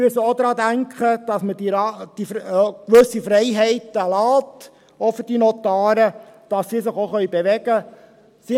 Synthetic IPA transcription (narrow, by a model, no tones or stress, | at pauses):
myəsəod̪ɾɑːd̪æŋkχəd̥ɑsmədiɾɑd̥ifkʋɵsifɾɛɪɦɛɪtəlɑːt | ofəd̥inɔt̪ɑːɾəd̥ɑsːisɪχoχœʏbeʋɛɡ̥ə | si